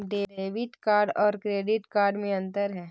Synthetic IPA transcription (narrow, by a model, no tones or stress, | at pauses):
ɖeːeːʋɪʈkaːɾɖɔːɾkɾeːɖɪʈkaːɾɖmẽɐ̃nt̪əɾɦɛː